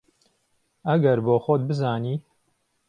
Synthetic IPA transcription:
ɐɡɐɾboːxod̪̚bɨzaːniː

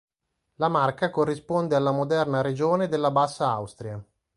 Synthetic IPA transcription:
lamarkakorːispond̪ealːamod̪ɛrnaɾed͡ʒoːned̪elːabasːaawst̪ɾia

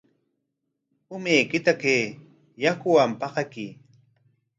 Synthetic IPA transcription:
ʊmejkɪt̪akeː | jakʊwampɑqɑki

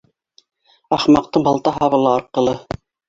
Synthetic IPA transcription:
ɑχmɑq̚t̪ɤɴbɑlˠt̪ɑɦɑβɤ̆lˠɑːɾqɤ̆lˠɤ

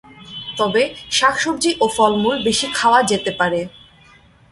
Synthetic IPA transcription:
t̪ɔbeʃakʰʃobd͡ʑiʔofɔlmulbeʃikʰaoad͡ʑet̪epaɾe

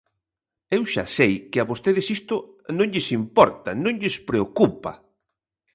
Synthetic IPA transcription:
ewʃa̰sejkɪaβost̪eðɪsist̪ʊ | nõŋʎɪsimpɔɾt̪ɐnõŋʎɪspɾeokupɐ̰

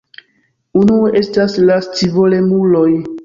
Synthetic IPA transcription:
unuoʔe̞staslast͡sivo̞le̞muloj

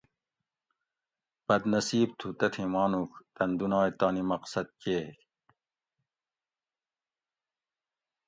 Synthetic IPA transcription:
b̥ɐd̪nɐsiːb̚t̪ʰut̪ɐt̪ʰimɑːnukt̪ɐnd̪unɑːjt̪ɑːnimɐqsɐd̪̚keːk

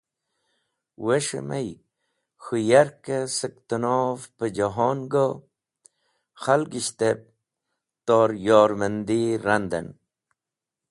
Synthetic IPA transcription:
weʂḛma̰j | xujaɾkesək̚t̪ənofpəd͡ʑoɦoːnɡo | xalɡiɕt̪ep̚ | t̪oːɾjoːɾmənd̪iɾand̪ɐ̰n

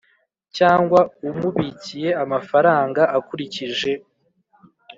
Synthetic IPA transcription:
caːŋɡwaumuβiːcije̞amafaɾaːŋɡaʔakuɾiciʒe̞

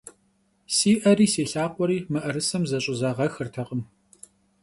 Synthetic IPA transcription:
siːʔɐɾiːseːɬaːqʷʼɔɾiːmɨʔɐɾɨsɐmzɐɕʼʊzaʁɐxɨrtʰɐqʼəm

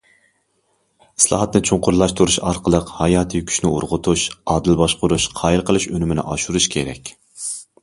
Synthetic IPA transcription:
i̥slˠɑ̰ːɦɑt̪nɪt͡ʃʰʊɴqʰʊɾlˠɑʃt̪ʰuɾuʃɑɾqʰəlˠəqhɑjɑːt̪ʰɨkʲʰy̥ʃnɪṵɾʁʊt̪ʰuʃɑːd̪ɨlbɑʃqʊɾuʃqʰɑːjiɾqʰəlˠɨʃønɪmɪnɪ̰ʔɑʃuɾuʃkʲʰeɾɛ̰kʲ

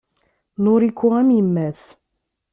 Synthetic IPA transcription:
nʊɾikʷːuæmjəmːæθ

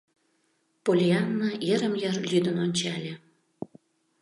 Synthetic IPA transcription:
polʲiɑnːɑeɾəmjɑrlʲyd̪ə̆nonʲt͡ɕɑlʲĕ

